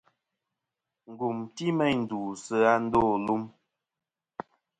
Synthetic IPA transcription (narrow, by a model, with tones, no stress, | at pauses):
ŋ̩˨ɡu˨mti˦mɛ˦n̩˨duː˨sə˦a˦n̩˦doː˦˨lu˦m